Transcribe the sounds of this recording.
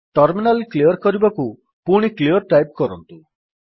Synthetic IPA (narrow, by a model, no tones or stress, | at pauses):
ʈɔɾminalkliɔɾkɔɾibɔku | puɽ̃ikliɔɾʈajp̚kɔɾɔnt̪u